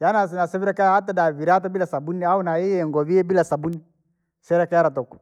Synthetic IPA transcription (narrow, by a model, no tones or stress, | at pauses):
janas̬ɛnasɛβɛɾakɛahatadaviɾat̬ɔbilasabuniaunaiɛŋɡɔβiɛbilasabuni | sɛɾakɛaɾat̬ɔkɔ̥